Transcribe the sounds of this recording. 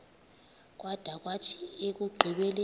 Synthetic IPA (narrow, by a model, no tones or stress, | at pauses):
k̬ʼwad̥ʱak̬ʼwatʰiek̬uɡ͡ǃʱiɓɛle